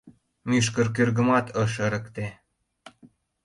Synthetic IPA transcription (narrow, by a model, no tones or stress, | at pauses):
myʃ̬kə̆rk̬ørɣə̆mɑt̪ʰɤʃ̬əɾə̆kt̪e